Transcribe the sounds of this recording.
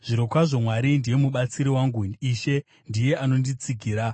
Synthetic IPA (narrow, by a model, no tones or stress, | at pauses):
ʐ̥iɾokwaʐo̞mwaɾindije̞muɓat͡siɾiwaŋɡuiʃe̞ | ndije̞ano̞ndit͡siɡʱiːɾa